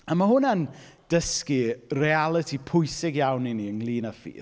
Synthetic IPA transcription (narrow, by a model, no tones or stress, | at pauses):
amaɦʊnand̥əskirealˠətʰipʰʊjsɪɡjawniniəŋlˠiːnafḭː